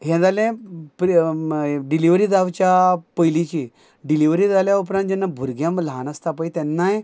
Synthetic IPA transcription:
ɦɛ̃d͡zalẽpɾ | ɖiliʋɾiːd͡zaʋt͡ɕjapəjlit͡ɕi | ɖiliʋɾiːd͡zaljaupɾãnt̪d͡ʑɛnːabʱuɾɡjãmlanəst̪apəjt̪ɛnːaj

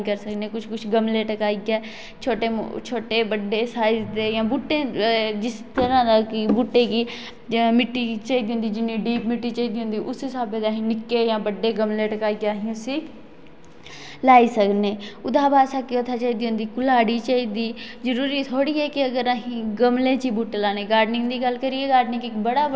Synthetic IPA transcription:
ikəɾsəkneːkʊt͡ʃʰkʊt͡ʃʰɡəmleːʈəkaːiɡeː | t͡ʃʰoːʈḛːt͡ʃʰoːʈeːbəɖːeːsaːɪd͡ʒd̪eːjãːbuʈːẽːd͡ʒɪst̪əɾãːd̪aːkibuːʈːeːki | mɪʈːiːt͡ʃaːiːd̪iːɦʊ̃nd̪iːd͡ʒɪnːĩːɖiːpmɪʈːiːt͡ʃaiːd̪iːɦʊ̃nd̪iːʔʊsɪsaːbeːd̪aːɦĩːnɪkːeːjãːbəɖeːɡəmleːʈəkaːiɡaːɦĩʊsiː | laːiːsəkneːʊd̪aːbaːsakekət̪ʰaːt͡ʃaːiːd̪iːɦʊ̃nd̪iːkʊlaːɽiːt͡ʃaːiːd̪iːzəɾuːɾiːt̪ʰoːɽiːɛːkɪəɡəɾaːɦĩːɡəmlẽːt͡ʃiːbuːʈeːlaːneːɡaːɾɖnɪ̃ŋɡd̪iːɡəlkəɾieːɡaːɾɖnɪ̃ŋɪkbəɽaː

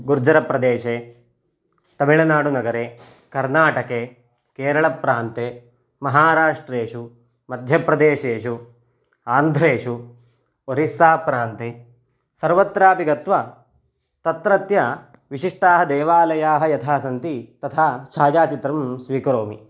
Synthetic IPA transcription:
ɡuɾd͡ʒɐɾɐpɾɐd̪eːʃeː | t̪ɐmiɭɐnaːɽunɐɡɐɾeː | kɐɾnaːʈɐke | keːɾɐɭɐpɾaːnt̪eː | mɐɦaːɾaːʂʈɾeːʂu | mɐd̪ʱjɐpɾɐd̪eːʃeːʃu | aːnd̪ʱɾeːʂu | oɾisaːpɾaːnt̪e | sɐɾʋɐt̪ɾaːpiɡɐt̪ʋɐ | t̪ɐt̪ɾɐt̪jɐ | ʋiʃiʂʈaːɦɐd̪eːʋaːlɐjaːɦɐjɐt̪ʰaːsɐnt̪it̪ɐt̪ʰaːʃʰaːd͡ʒaːt͡ʃit̪ɾɐmsʋiːkɾoːmḭ

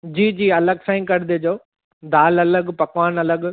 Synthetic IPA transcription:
d͡ʑiːd͡ʑiːɐləɡsãːĩkɐɽd̪eːd͡ʑoː | d̪aːlɐləɠpɐkʋaːnɐləɡ

